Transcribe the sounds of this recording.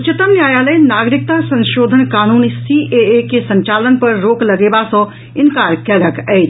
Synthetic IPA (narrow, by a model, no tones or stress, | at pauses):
ʊt͡ʃɪt̪əmnjaːjaːləjnaːɡɾɪk̚t̪asɐ̃ɲʃoːd̪ʱənkaːnuːnisiʔeːekesɐ̃ɲt͡ʃaːlənpɐɾːoːklɐɡeːbasɔ̃ː | ɪnkaːɾkɛːləkɛː